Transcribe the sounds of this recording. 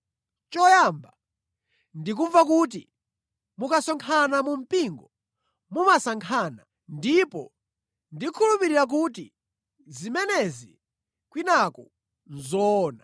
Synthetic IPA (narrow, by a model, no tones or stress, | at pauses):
t͡ʃɔjamba | ndikuɱvak̬ut̬ḭ | mukasɔŋkʰanamum̩piŋɡɔ | mumasaŋkʰana | ndipɔ̰ | ndikʰulupiɾiɾak̬uti | zimɛnɛzi | kwinakɔ | nzɔːna